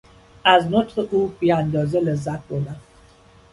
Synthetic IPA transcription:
aznotʔubiand̪ɔzələzak̚bola

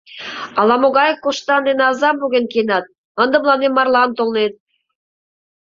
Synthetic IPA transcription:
ɑlɑmoɣɑjefkoʃt̪ɑnd̪enɑzɑmbuɣʲenkenɑt̪̚ | ə̆nd̪ə̆mlˠɑnemːɑrlˠɑnt̪olnet̪̚

